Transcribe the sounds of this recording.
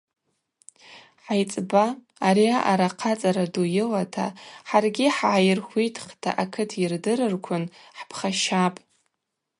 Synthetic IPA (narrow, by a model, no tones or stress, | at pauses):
ħajt͡sʼbaː | ɾiaʔaɾaqʰat͡sʼaɾadujɪlatʰa̰ħarɡʲiħaːjɪrχʷijtʰʼχtʰa̰ʔakʰɨtʰjɪrdɨrɨrkʷʰʊnħpʰχaʃapʼ